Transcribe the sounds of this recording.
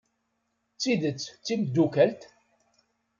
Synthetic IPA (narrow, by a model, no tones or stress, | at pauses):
t͡sːiðət͡sːt͡sːimd̪ːukælt̪